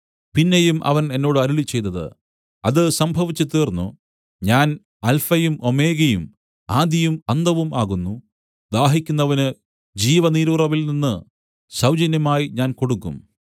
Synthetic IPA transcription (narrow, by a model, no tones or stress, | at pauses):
pinːejumʔɐ̰ʋɐne̞nːo̞ːɽɨɐɾuɭit͡ɕːe̞jt̪ːɐðɨ̰ | ɐðɨsɐmbʱɐʋit͡ɕːɨt̪ːiːrnːṵ | ɲaːn | ɐlfɐjumo̞me̞ːɣɐjum | aːd̪jɐjumɐnd̪ɐʋumaːɣunːu | d̪aːɦikʲːunːɐʋɐnɨ | d͡ʑiːʋɐniːɾurɐʋilninːɨ | sɐwd͡ʑɐnjɐmaːjiɲaːnko̞ɽukːṵm